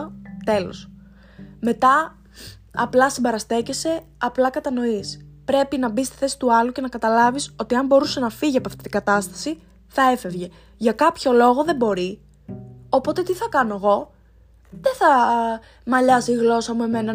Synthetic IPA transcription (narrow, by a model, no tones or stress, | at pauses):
t̪e̞lo̞̰s | me̞t̪ɐ | ɐ̰plɐsimbɐɾɐst̪e̞ce̞se̞ | ɐplɐkɐt̪ɐno̞ispɾe̞pinɐbist̪i̥θe̞si̥t̪uɐluce̞nɐkɐt̪ɐlɐviso̞t̪iɐmbo̞ɾusenɐfiʝiɐpoɐft̪it̪iɡɐt̪ɐst̪ɐ̥si | θɐe̞fe̞vʝe̞ | ʝɐkɐpço̞lo̞ɣo̞ðe̞mbo̞ɾi | opo̞t̪e̞t̪iθɐkɐno̞ɣo̞ | ðeθɐ | mɐʎɐsiːɣlo̞sɐmue̞me̞nɐ